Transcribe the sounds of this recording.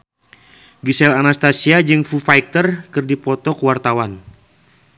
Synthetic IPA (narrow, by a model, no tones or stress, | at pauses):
ɡisɛlanast̪asiad͡ʒɨŋfufajk̚t̪ərkɨrdipɔt̪ɔkuwart̪awan